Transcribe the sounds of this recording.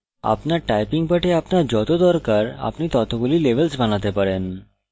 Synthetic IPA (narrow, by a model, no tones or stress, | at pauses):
a̰pnaʈajpiŋɡpəʈʰeapnad͡ʑɔt̪od̪ɔɾkaɾa̰pniːt̪ɔt̪ʰokulileʋəlsbʱañat̪epəɽen